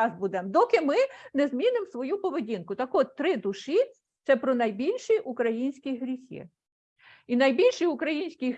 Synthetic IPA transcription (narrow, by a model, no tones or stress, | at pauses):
ɑzbud̪ɛmd̪ɔkɪmɪnɛzmʲinɪmsʋɔjupɔʋedʲinkʊt̪ɐkɔt̪t̪ːɾɪd̪ʊʃi | t̪sɛpɾɔnɐjbʲilʲʃiʔukɾɐjinʲsʲkʲijɦɾʲixʲḭ | inɐjbʲilʲʃijʊkɾɐjinʲsʲkʲi